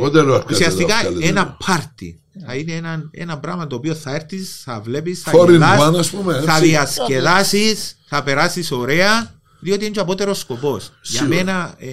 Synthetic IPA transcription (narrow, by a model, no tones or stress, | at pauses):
od̪eɾɐkusiɐst̪ikɐenɐpʰɐɾt̪ḭ | θɐineenɐnḛnɐbɾɐɣmɐt̪oːpioθɐeɾθisθɐvle̞pisθɐoɾiɐɐnɐspumeθɐðiɐskeðɐsisθɐpe̞ɾasiso̞ɾeɐ | ðio̞t̪ient͡ʃoɐpot̪eɾosko̞po̞sʝɐmmenɐ